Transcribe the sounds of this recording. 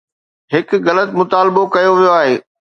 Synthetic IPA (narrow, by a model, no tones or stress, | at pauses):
ɦɪk̆ɣɐlət̪mʊt̪aːlbokɐjoʋijoaːɦeː